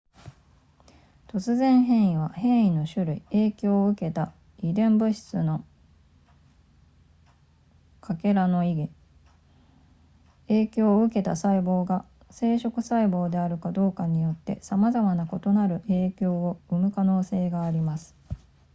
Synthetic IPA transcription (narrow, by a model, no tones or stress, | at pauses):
t̪o̞t͡sɨzẽ̞ɰ̃ɦẽ̞ɰ̃iβ̞ahẽ̞ɰ̃ino̞ɕɨɾɯ̟ie̞ːkʲo̞ːɯ̟ke̞t̪a | id̪ẽ̞mbɯ̟ɕi̥t͡sɨno̞ | kʰake̞ɾano̞iɡʲi | eːkʲo̞ːɯ̟ke̞t̪asaibo̞ːɡa | se̞ːɕo̞kɯ̟saibo̞ːd̪e̞aɾɯ̟kad̪o̞ːkaɲ̟ijo̞t̪ːe̞̰samazamanako̞t̪o̞naɾɯ̟ʔe̞ːkʲo̞ːoɯ̟mɯ̟kano̞ːse̞ːɡaːɾʲimasɨ̥